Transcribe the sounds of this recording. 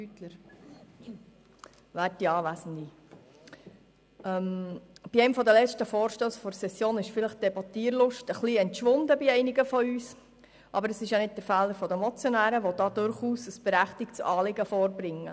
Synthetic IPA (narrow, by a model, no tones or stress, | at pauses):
yt̪ləɾ | ʋæːtːiɑːʋæsən̩di | ɛmb̥iɛɪmfɔd̪əlɛt͡ʃtəfoːɾʃtoːsfɔɾsɛsːjoːnɪʃfɪləχd̥ɛbɔt̪iːɾlʊʃtəχliɛntʃʋʊnd̪əbiɛɪniɡəfɔyːs | ʔɑbəɾəsɪʃjɑnɪd̚d̥əɾfæːləɾfɔd̪əmɔt͡sjɔnæːɾəʋɔd̪ɑːd̥̪ʊɾχuːsəsb̥ɛɾæχt̪ɪkt͡sɑːlɪɡəfoːɾbɾɪŋːə̰